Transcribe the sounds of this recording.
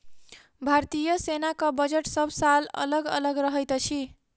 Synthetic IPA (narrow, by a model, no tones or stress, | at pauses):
bʱaɾt̪ijʌsenakobʌd͡zeʈsʌbsalʌ̰lʌɡʌ̰lʌɡɾʌɦʌjt̪ʌt͡sʰi